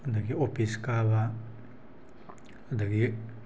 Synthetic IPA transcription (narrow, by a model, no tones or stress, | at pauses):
d̪ɐɡiopʰiskaβa | d̪ɐɡi